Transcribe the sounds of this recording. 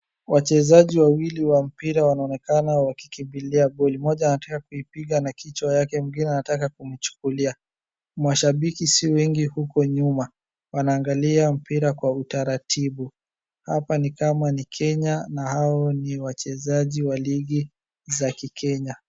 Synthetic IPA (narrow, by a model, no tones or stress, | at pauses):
wʔat͡ʃɛzaʄiwawiliwam̩piɾawanaɔnɛkanawaki̥kimbiliaɓɔlimɔʄanatakakuipiɠanakʰit͡ʃwajakɛm̩ɡinɛanatakakumit͡ʃu̥kulia | maʃaɓikisiɔwɛŋɡihukɔɲuma | wanaːŋɡaliam̩piɾakwautaɾatʰiɓu | hapanikamanikʰɛɲanahaɔniwat͡ʃɛzaʄiwaliɡi | zakikʰɛɲa